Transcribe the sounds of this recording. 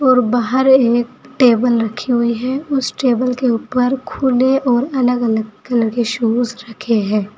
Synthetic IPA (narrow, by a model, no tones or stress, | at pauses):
ɔːɾbaːɦəɾeːkʈeːbəlɾɐkʰiɦʊiɦɛʊsʈeːbəlkeuːpəɾkʰuːleʔɔːɾɐləɡɐləɡkələɡkeʃuːzɾɐkʰeɦɛ̃ː